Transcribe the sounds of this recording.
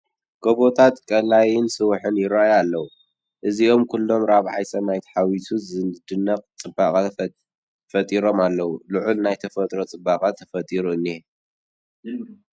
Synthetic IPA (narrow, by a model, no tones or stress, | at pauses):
ɡ̥oβot̪ʰat̪kʼɐlajɪnsɨwʊħɨnjɪɾajalːɐwu | ʔɨzio̞mkʰulːo̞mɾaβʕa̰jsɐmajt̪ʰħawit̪ʰuzɨnd̪ɨnːɐqʼt͡sʼɨbakʼɐ | fɐt̪ʼiɾo̞malːɐwulɨʕulnajt̪ʰɐfɐt̪ʼɾot͡sʼɨbːakʼɐt̪ʰɐfɐt̪ʼiɾuɨnːi